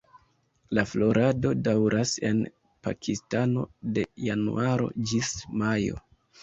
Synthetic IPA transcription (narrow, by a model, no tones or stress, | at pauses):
laflo̞ɾʔado̞dawɾʔase̞n | pa̰kʰistano̞̰de̞janṵʔaɾo̞̰d͡ʒismajo̞̰